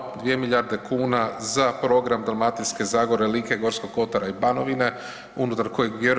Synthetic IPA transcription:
d̪ʋije̞milʎʲaɾd̪e̞kʰuːnazapɾo̞ɡɾamd̪almat̪iske̞zaɡoɾelike̞ɡo̞ɾsko̞ɡko̞t̪aɾaibano̞ʋine̞ | unut̪aɾko̞jeɡbjeɾ

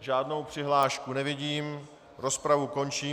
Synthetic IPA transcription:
ʒaːdno̞wpr̝̥ɪɦlaːʃkunɛvɪɟiːm | ɾo̞spɾavuko̞nt͡ʃiː

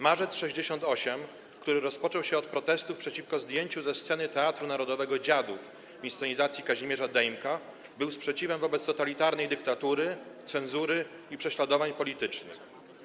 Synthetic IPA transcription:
maʐɛt̪sʂɛʑd͡ʑeɕɔnt̪ɔɕɛm | kt̪uɾɘɾɔspɔt͡ʂɔwɕɛɔt̪̚pɾɔt̪ɛst̪ufpʂɛt͡ɕifkɔzd̪ʲjeɲt͡ɕuzɛst̪sɛnɘt̪ɛat̪ɾunaɾɔd̪ɔvɛɡɔd͡ʑad̪uf | vʲist̪ɔɲizat̪sʲjikaʑimʲɛʐad̪ɛjmka | bɘwspʂɛt͡ɕivɛmvɔbɛt̪st̪ɔt̪alʲit̪aɾnɛjd̪ɘkt̪at̪uɾɘt̪sɛnzuɾɘipʂɛɕlad̪ɔvaɲpɔlʲit̪ɘt͡ʂnɘ̰x

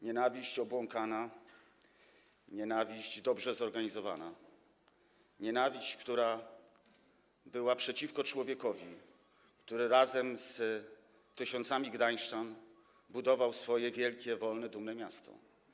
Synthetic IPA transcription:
ɲɛnavʲiɕt͡ɕɔbwɔŋkana | ɲɛnavʲiʑd͡ʑd̪ɔbʐɛzɔɾɡaɲizɔva̰na | ɲɛnavʲiɕt͡ɕkt̪uɾa | bɘwapʂɛt͡ɕifkɔt͡ʂwɔvʲjɛkɔvʲi | kt̪uɾɘɾazɛmz | t̪ɘɕɔnt̪samʲiɡd̪ajʂtan | bud̪ɔvawsfɔjɛvʲjɛlkʲɛvɔlnɛd̪umnɛmʲjast̪ɔ̰

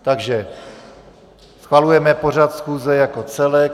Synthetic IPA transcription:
t̪aɡʒɛ | sxvalujɛmɛpo̞r̝at̪sxuːzɛjakot͡sɛlɛ

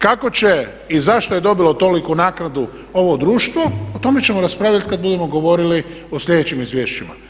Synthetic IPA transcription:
kako̞t͡ɕe̞ | izaʃt̪ojed̪o̞bilo̞t̪o̞likunaːknad̪u | o̞ʋod̪ɾuːʃt̪ʋo̞ot̪o̞me̞t͡ɕe̞moɾaspɾaːʋlʎat̪̚kad̪̚bud̪e̞mo̞ɡo̞ʋo̞ɾili | oslʎʲe̞d̪et͡ɕimizʋjeːʃt͡ʃima̰

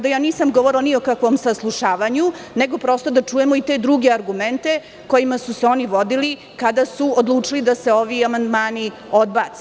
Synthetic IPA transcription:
d̪ajaːniːsamɡoʋoɾiloniokakʋo̞msaslˠuʃaːʋaɲuneɡo̞pɾo̞ːst̪o̞d̪at͡ʂuːje̞moit̪e̞d̪ɾuɡeaɾɡument̪e̞ | ko̞jimasuseo̞niʋo̞d̪ili | kad̪asuod̪lˠuːt͡ʂilid̪ase̞o̞ʋiamand̪maːni | od̪̚baːt̪se

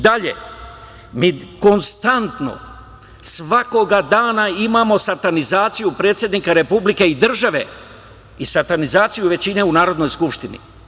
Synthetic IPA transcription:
d̪aʎe̞̰ | miːko̞nst̪ant̪no̰ | sʋako̞ɡad̪aːnaimaːmo̞sat̪anizaːt̪sijupɾe̞ːt̪sʲje̞d̪niːkaɾe̞publike̞id̪r̩ʒaʋe̞ | isaɾt̪anizaːt̪sijuʋe̞t͡ɕine̞unaːɾo̞d̪no̞jskupʃt̪inḭ

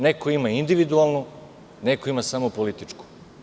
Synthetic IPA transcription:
nekoimaind̪iʋid̪ualˠnu | ne̞koimasamopolit̪it͡ʂku̥

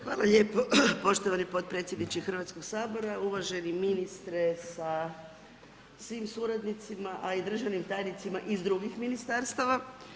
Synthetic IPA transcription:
xʋaːlˠaʎe̞ːpo̞po̞ʃt̪oʋanipo̞t̪̚pɾet̪sjed̪nit͡ɕixr̩ʋat̪sko̞ɡsaːbo̞ɾauʋaʒe̞niminist̪ɾesa | sʋiːmsuːɾad̪nit̪simaʔaid̪r̩ʒaʋnimt̪aːjnit̪simaʔizd̪ɾuɡixminist̪aɾst̪aʋa

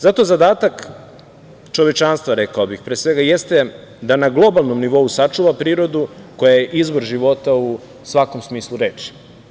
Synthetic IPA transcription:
zat̪o̞zad̪aːt̪ak | t͡ʃo̞ʋet͡ʃanst̪ʋaɾe̞kaobixpɾeːsʋe̞ɡajest̪e̞ | d̪anaɡlˠo̞balˠno̞mniʋo̞usat͡ʃuʋapɾiːɾo̞d̪ukojajeʔizboɾʒiʋo̞t̪au | sʋako̞msmiːslˠuɾeːt͡ʃi̥

